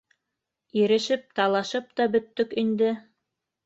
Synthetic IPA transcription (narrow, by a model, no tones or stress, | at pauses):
iɾɘ̆ʃɘp̚t̪ɑlˠɑʃɤp̚t̪ɑbɵ̆t̪ːɵkind̪ɘ